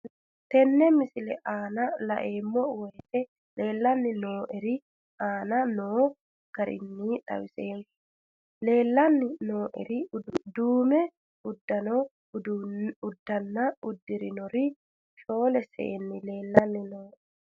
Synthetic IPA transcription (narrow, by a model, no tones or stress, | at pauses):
t̪ɛnːɛmɪsɪlɛʔaːnɐlɐ̰ʔeːmːɔwɛjt̪ɛ | le̞ːlːɐnːɪnoːʔɛɾɪ | aːnɐnoː | ɡ̥ɐɾɪ̰nːiːᶑ̪ɐ̰wɪseːn | le̞ːlːɐnːɪnoːʔɛ̰ɾɪd̪uːmɛ | ʊd̪ːɐnɔ | dʊd̪ːɐnːɐʊd̪ːɪɾɪnɔɾɪ | t͡ʃʼoːlɛsɛ̰ʔɛnːɪle̞ːlːɐnːɪnoː